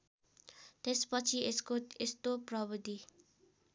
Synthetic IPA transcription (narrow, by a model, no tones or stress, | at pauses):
t̪espʌt͡sʰiskoest̪opɾʌbəd̪i